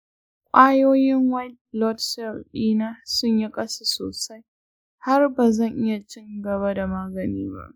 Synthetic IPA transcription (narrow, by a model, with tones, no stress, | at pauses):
kʷʼaː˦joː˦jɪ˦ŋwa˦ | lɔ˦tsɛ˦lɗiː˦naː˦sʊ˦ɲja˦kʼɐ˦sa˨so̰ː˨sa˦j | ha˦rbaː˨zɐ˦˨ŋʔɪ˦ja˨t͡ʃɪ˦ŋɡɐ˨βa˦da˨maː˦ɡɐ˨nḭː˦ba̰˦ʔ